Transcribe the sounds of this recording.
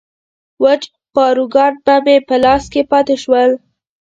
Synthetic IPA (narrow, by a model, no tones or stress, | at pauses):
wət͡ʃ | pɑɾuɡɑɾ̚bamepəlɑskepɑt̪eʃwəl